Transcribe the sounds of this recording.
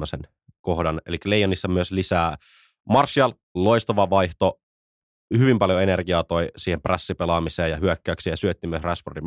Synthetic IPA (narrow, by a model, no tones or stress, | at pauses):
øsen | ko̞hdɑnelikːælejːˑɑnisːɑmyøslisæː | mɑrsːiɑl | loist̪ɑʋɑʋɑjht̪o | hyʋimpɑljoe̞nerɡ̥iɑːt̪o̞jsiːhempræsːipelɑmiseːjɑhyøkːæyksijɑsyøt̪ːiːmyøsræsfordim